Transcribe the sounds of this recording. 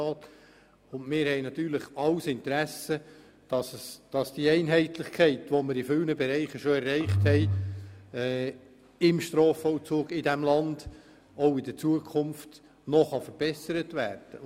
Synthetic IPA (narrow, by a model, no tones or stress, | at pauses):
ɑːt | ʊndmɪːɾhɛɪnɑt̪yːɾlɪχɑwsɪntɾæsə | d̥ɑssd̥ɑsd̥iɛɪnɦɛɪtlɪχkʰɛɪtʋoməɾɪfʏlnəbɛɾɛɪχəʃoɛrːɛɪχthɛj | ɪmʃtɾoːfɔwt͡suːɡɪdæmlɑnd̥ | oʊɪd̥ət͡suəkʰʊmft | nɔχɑfəɾb̥ɛsəɾətvæːɾd̥ə̰